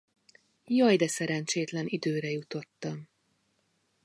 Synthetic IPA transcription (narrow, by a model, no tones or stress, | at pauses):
jɒjd̪ɛsɛɾɛnt͡ʃeːt̪lɛnid̪øːɾɛjut̪o̞t̪ːɒm